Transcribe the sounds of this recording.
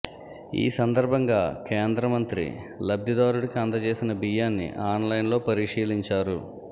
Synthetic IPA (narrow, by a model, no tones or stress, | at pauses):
ḭːsɐnd̪ɐɾbʱɐŋɡaːkeːnd̪ɾɐmɐnt̪ɾḭlɐb̚d̪id̪aːɾuɽikiɐnd̪ɐt͡ʃe̞ːsinɐbijaːnːḭʔaːnlɐjnlo̞ːpɐɾiʂiːliɲt͡ʃaːɾu